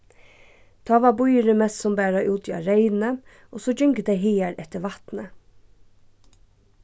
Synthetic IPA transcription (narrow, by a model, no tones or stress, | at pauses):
d̪̥ɑːʋɑːbʊʏəɾəmɛssɔmbæːɾɑʔʉːt̪ʰiɑ̰ɾeɪn̩ə | ʔosoːd͡ʒʏŋkəd̪eɪɦeːæɾɛt̪əʋɑt̪nə